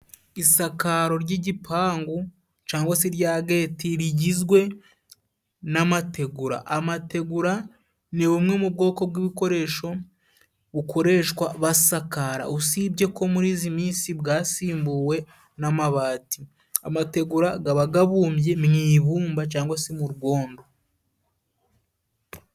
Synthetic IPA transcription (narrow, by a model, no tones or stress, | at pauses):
isakaɾo̞ɾɟiɟipʰaːŋɡu | t͡ʃaːŋɡwaseɾjaːɡe̞ːtiɾiɟizɡwe̞ | namate̞ɡuɾa̰ʔamate̞ɡuɾa | niβumŋemubɡo̞ːko̞b̚ɡiβiko̞ɾe̞ːʃo̞ | βuko̞ɾe̞ːʃkwaβasakaɾa̰usibɟe̞ko̞muɾiːzimiːnsibɡaːsiːmbuːwe̞ | namaβaːti | a̰mate̞ɡuɾaɡaβaɡaβuːmbje̞mŋiːβuːmbat͡ʃaːŋɡwasimuɾuɡo̞ːndo̞